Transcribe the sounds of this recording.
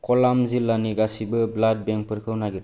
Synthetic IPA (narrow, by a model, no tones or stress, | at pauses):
kɔlamzilːaniɡasibɯblad̚beŋpʰɯɾkʰɯwnaɡiɾ